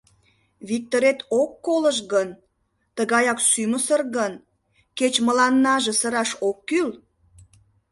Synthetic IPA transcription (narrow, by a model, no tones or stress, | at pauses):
βik̚t̪oɾet̪okːoləʃ̬ɣən | t̪əɣɑjɑksyməsərɣən | ket͡ɕməlɑnːɑʒĕsəɾɑʃokːyl